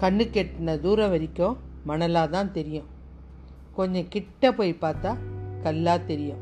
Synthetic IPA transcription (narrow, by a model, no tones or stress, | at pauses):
kɐɳːɯkːeʈːnɐd̪uːɾɐ̃ʋɐɾɪkʲːõmɐnɐlaːt̪ãːnt̪ɛɾɪjʊ̃ | kɔɲd͡ʒɐ̃kɪʈːɐpoːjpaːɾt̪aːkɐlːaːt̪ɛɾɪjʊ̃